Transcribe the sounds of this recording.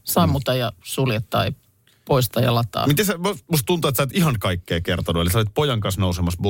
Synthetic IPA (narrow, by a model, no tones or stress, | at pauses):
sɑmːut̪ɑjɑsuljet̪ːɑ̰ːjɑ | poist̪ɑːjɑ̰lɑt̪ɑ̰ːmit̪esæmust̪t̪unt̪oet̪sæːt̪ihɑnkɑikːeːkert̪onuelisæolit̪̚pojɑŋkɑnsnousemɑs